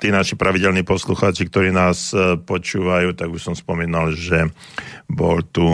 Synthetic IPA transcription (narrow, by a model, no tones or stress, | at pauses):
t̪iːnaʃipɾʔaʋiɟɛlniːpɔsluxaːt͡ʃik̚t̪ɔɾiːnaːspɔt͡ʃuːʋajuːt̪aɡuʃsɔmspɔmiːnalʒɛ | bɔlt̪u